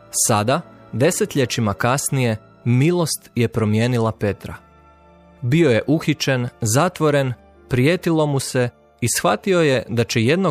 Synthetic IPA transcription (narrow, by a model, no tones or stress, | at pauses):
sad̪ad̪e̞se̞t̪ʎʲet͡ʃimakasnije̞ | milˠo̞st̪je̞pɾo̞mje̞ːnilˠape̞t̪ɾa̰ | bio̞je̞ʔuxit͡ʃenzat̪ʋo̞ɾe̞n | pɾijet̪ilˠo̞muse̞ | isxʋat̪io̞je̞d̪at͡ɕeje̞d̪no